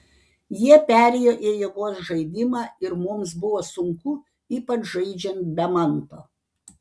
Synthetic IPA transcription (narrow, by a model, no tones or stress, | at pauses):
jiɛpʲæːɾʲɛjoːʔijiɛɡoːs̬ʒɐɪd̪ʲɪmɑːɪɾmʊmsbʊʋoːsʊŋkʊ | iːpɐt͡ʃʒɐɪd͡ʒʲɛnt̪̚bʲɛmɐnt̪oː